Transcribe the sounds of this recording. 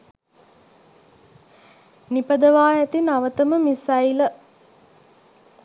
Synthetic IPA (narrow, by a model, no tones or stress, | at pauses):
nipəd̪əʋaːjæt̪inaʋət̪əməmisailə